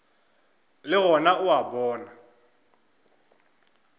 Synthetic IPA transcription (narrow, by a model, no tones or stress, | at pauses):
lɪɣɔnaʊabɔːna